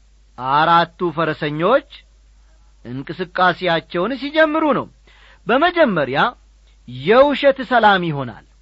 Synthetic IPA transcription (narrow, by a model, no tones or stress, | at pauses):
ʔaɾat̪ːufəɾəsəɲːo̞t͡ʃː | ʔɨŋkʼɨsɨkʼːasejat͡ʃːɛwns̬id͡ʒɛmːɨɾunə̰w | bəməd͡ʒɛmːəɾja | jɛwʊʃɛt̪səlamjɪɦo̞na̰l